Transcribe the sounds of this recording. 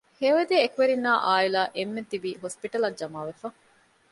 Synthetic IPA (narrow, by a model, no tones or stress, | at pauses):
heːʋɐd̪eːekuʋeɾinːaːʔaːilaːʔemːet̪ibiːɦospiʈɐlɐd͡ʒɐmaːʋefɐ